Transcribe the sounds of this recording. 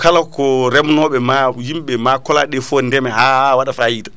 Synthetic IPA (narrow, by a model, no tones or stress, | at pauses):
kalakɔɾɛmnɔɓɛmajimɓɛmakɔlaɗɛfɔndɛmɛhawaɗafajiːtḁ